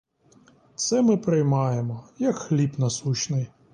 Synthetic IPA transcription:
t̪sɛmɪpɾɪjmɑjemɔjɐkxlʲipnɐsut͡ʃnɪj

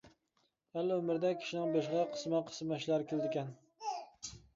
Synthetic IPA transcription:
ælːɪømɪɾd̪ɛkʲʰi̥ʃinɪŋbeʃʁɑqʰə̥smɑqʰə̥smɛʃlˠɑɾkʲeld̪ɪkʲɛn

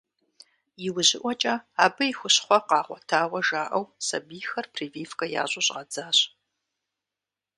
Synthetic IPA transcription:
jɪwʊʑɪʔʷɔt͡ʃʼɐaːbɨjxʷʊɕχʷɔqɑːʁʷɔtʰaːwɐʒaːʔɐwsɐ̰biːxɐrpʰriːviːfkʼɐja̰ːɕʼʊɕʼɐd͡zaːɕ

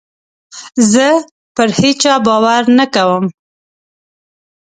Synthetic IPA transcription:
zə | pəɾhet͡ʃɑbɑwaɾnakawəm

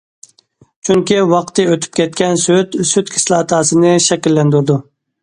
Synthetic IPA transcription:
t͡ʃʰyŋkʲiwɑqt̪ʰɨøt̪ʰy̥p̚kʲɛt̪̚kʲɛnsyt̪syt̪kʲʰɪ̥slˠɑːt̪ʰɑːsɨnɨʃɛkʲilːɛnd̪uɾd̪u

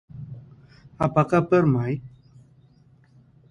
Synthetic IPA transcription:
apakapəɾmaj

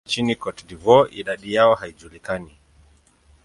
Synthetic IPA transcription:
t͡ʃinikɔtdivɔʔiɗaɗijaɔhaid͡ʒulikani

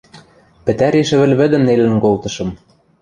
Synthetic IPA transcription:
pɘ̆t̪æɾeʃɘ̆βɘ̆lʲβɘ̆d̪ɘ̆mnelɘ̆nkolt̪ɤ̆ʃɤ̆m

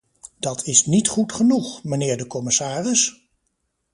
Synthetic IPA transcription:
d̥ɑtʰɪsnitχutχənuχmənɪːɹdəkɔmɪsaːrɪs

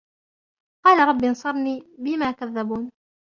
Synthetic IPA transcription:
qɑːlaɾˤɑbːinsˤɑɾˤniːbɪmækaðːæbun

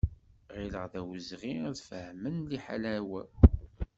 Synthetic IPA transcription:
ʁiləʁðæwəzʁiæðfəhmənliħa̰læwæ

